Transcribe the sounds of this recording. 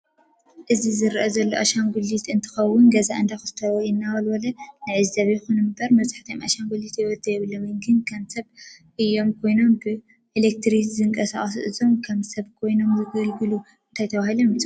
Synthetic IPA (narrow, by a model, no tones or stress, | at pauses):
ʔɨzizɨɾʔɐzɐlːoʔaʃanɡulit̪ɨnt̪ʰɨ̥xɐwːʊnɡɐzaɨnd̪ʰajxɨ̥t̪ʰɐwjɪnːawɐlwɐlɐnajʕɨzizɐβɐjxunɨmɨbɐɾmɐβzḁħt̪ʰɐjomʔa̰ʃanɡulit̪jɛwɔd̪ɐjɛβɨlːomɨnɡɨnkʰɐmsɐβʔɨjːo̞mkʰo̞jno̞mbɨ | ʔelek̚t̪ʰɾizzɨŋkʼɐsaχʼɐs̬ṵʔɨzo̞mkʰɐmsɐβkʰo̞jno̞mzɨɡɐlɡɨlu | ɨnt̪ʰajt̪ʰɐβahilomjit͡sʼɐ